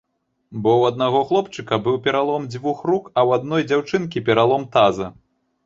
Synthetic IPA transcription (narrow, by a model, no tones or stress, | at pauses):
bɔwɐd̪naɣɔxlˠɔpt͡ʂɨkɐbɨwpʲɛɾalˠɔmd͡zʲvuxrukɐwad̪nɔjd͡zʲawt͡ʂɨnkʲipʲɛɾalˠɔmt̪azɐ